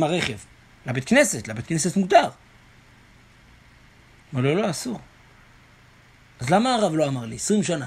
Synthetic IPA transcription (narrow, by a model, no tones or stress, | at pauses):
maʁeχev | labet̪kne̞set̪labet̪̚kneset̪muɡd̪aʁ | maloloasuʁ | azlamaːʁavlo̞amaʁlisʁimʃana